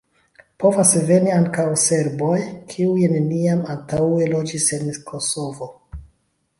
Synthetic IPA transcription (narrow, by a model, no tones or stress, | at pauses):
po̞vasve̞niaŋkawse̞ɾbo̞jkʰiujne̞niamantawe̞lo̞d͡ʒise̞nkʰoso̞vo